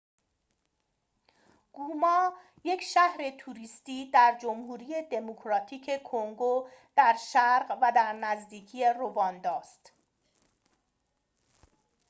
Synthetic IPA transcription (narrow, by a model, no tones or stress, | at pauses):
ɡ̥uːmɒː | je̞cʃæhɾe̞t̪ʰuːɾiːst̪iːd̪æɾd͡ʒomhuːɾije̞d̪emokʰɾɒːt̪ʰiːcʰe̞kʰo̞ŋɡod̪̥æɾʃæɾɢvæd̪æɾnæzd̪iːcʰije̞ro̞vɒːnd̪ɒːst̪